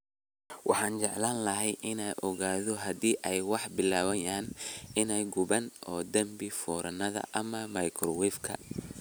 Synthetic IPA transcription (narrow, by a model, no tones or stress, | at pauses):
wʔɑ̰ħɑːnt͡ʃɛʕlaːnlɐɦɛjʔɪnɛjʔɔɣaːðɔɦɐd̪iːʔɛjwɑħbɪlaːwɐjaːnɪnɛjɡʊβɐnʔɔːd̪ɐmbɪfɔːɾʔɐnɐðɐ̰ʔɐmɐmɐjkʰrɔwɛfkʰɐ̰